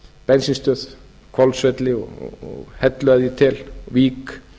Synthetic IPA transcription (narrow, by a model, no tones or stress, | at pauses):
pɛnsinst̪œːð | kʰvɔlsvɛt̪lɪɔ̰ɔ̰ɔ̰ɣhɛt̪lœðit̪ʰɪlviːk